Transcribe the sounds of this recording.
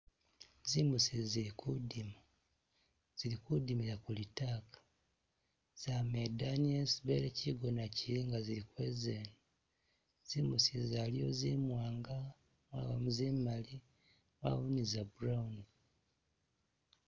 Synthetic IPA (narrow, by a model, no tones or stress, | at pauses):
zimusiziɾikudima | z̥iɾikudimiɾakulitaːkḁ | z̥amedanielsβeɾeciɡo̞naciɾiːŋɡaziɾikwezeni | z̥imusizalijo̞̰zimwaːŋɡa | mwaβamuzimali | wa̰wunizabuɾauni